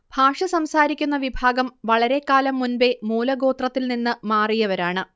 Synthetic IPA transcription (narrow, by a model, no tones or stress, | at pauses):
b̥ʱaːʂɐsɐmsaːɾikʲːunːɐʋibʱaːɡɐmʋɐɭɐɾe̞kːaːlɐmːunbe̞muːlɐɡo̞ːt̪rɐt̪ːilninːɨmaːrijɐʋɐɾaːɳɨ